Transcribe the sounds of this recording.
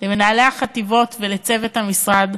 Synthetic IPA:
lemenaːleaχativo̞tvelet͡se̞vethamisʁad

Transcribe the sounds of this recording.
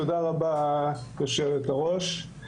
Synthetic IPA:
od̪aʁabajoʃelet̪aʁo̞ʃ

